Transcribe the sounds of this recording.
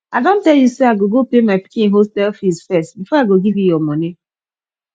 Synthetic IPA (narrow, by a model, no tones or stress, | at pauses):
adon̩tɛljuseaɡoɡopemaɪpi̥kĩŋɦostɛlfisfɛstbifɔaɡoɡivjijɔmoni